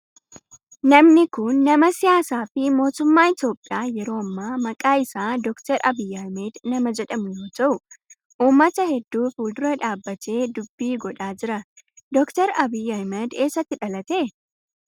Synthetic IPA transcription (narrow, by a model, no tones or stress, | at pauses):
nɐmnɪkʊnːɐmɐsɪjaːsaːfɪmo̞ːt̪ʊmːaːɪt̪jo̞ːpʼːɪjaːjɛɾo̞ːɐmːaːmɐkʼaːɪsaːd̪ɔkt̪ɐɾɐbijɐhmed̪nɐmɐd͡ʒɛᶑɐmʊjo̞ːt̪ɐʔʊ | ʔuːmːɐt̪ɐhɛd̪ːuːfuːld̪ʊɾɐᶑaːbːɐt̪e̞ːd̪ʊbːiːɡɔᶑaːd͡ʒɪɾɐd̪ɔkt̪ɛɾɐbijːɐhmɛd̪e̞ːsːɐt̪ːɪᶑɐlɐt̪eː